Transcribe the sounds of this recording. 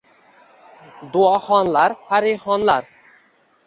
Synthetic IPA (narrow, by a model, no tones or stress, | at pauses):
d̪uaxɔnlaɾfʰaɾixɔnlaɾ